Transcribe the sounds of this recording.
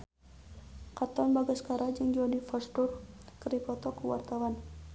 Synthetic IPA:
kat̪ɔnbaɡaskaɾad͡ʒɨŋd͡ʒɔnifɔstʊrkəɾipɔt̪ɔkəwa̰rt̪awan

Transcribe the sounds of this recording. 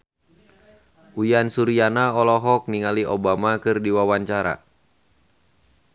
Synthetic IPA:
ujansuɾianaɔlɔɦɔk̚niŋaliʔɔbamakɨrdiwawaɲt͡ʃaɾa̰

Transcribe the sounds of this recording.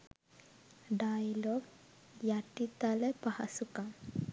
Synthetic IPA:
ɖajɐloɡ | jaʈit̪alepɐhɐsuka

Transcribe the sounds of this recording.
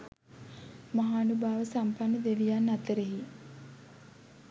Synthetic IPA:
maɦaːnubaːʋəsampanːəd̪eʋijanːat̪əɾeɦi

